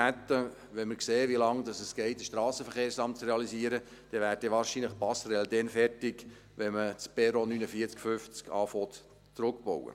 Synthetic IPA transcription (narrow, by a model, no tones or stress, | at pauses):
æt̪ːə | ʋɛnməɾkseːʋilɑŋdɑsəsɡ̥ɛɪtəʃtɾɑːsəfəɾχeːɾsɑmt̚t͡sɾɛɑlisiəɾə | d̥ɛʋæːɾ̚dɛʋɑːɾʃinləχpɑsɾɛldɛnfɛrtɪk | ʋɛmət͡spɛɾonynəfiːɾt͡skfʏft͡skʰɑːfɔt̪ | t͡sɾʊkbɔ̰wə̰